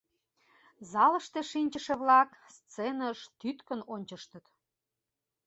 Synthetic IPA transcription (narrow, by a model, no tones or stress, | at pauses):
zɑlə̆ʃt̪eʃinʲt͡ɕəʃeβlɑkst͡senəʃt̪yt̪kə̆nonʲt͡ɕəʃt̪ə̆t̪